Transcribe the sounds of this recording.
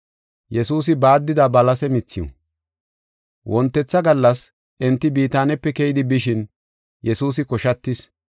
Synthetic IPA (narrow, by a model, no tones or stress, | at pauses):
jɛsuːs̬ɪbaːd̪ːɪd̪ɐbɐlɐsɛmɪt͡sːɪɔ̰ | wʔɔnt̪ːɛt͡sːɐɡɐlːɐs | ʔɛnt̪ːɪbiːt̪aːnɛpːɛkɛjɪd̪ɪbɪʃɪn | jɛsuːs̬ɪkɔʃɐt̪ːɪs